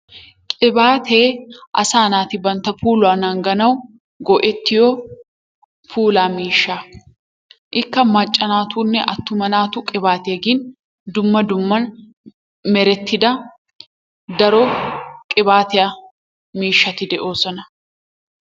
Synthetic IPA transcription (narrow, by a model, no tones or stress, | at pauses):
kʼɪbaːt̪ʰe̞ːʔɐsaːnaːt̪ɪbɐnt̪ɐfuːlwaːnɐŋɡɐnɐw | ɡɔʔɛt̪ːɪjɔː | fuːlaːmiːʃːaː | ʔɪkːɐmɐt͡ʃʼːɐnaːt̪uːnːɛʔɐt̪ːʊmɐnaːt̪ʊkʼɪbaːt̪ɪjɐɡin | d̪ʊmːɐd̪ʊmːɐn | mɛɾɛt̪ːɪd̪ɐ | d̪ɐɾokʼɪbaːt̪ɪjɐ | miːʃːɐt̪ɪd̪ɛʔo̞ːsɔnɐ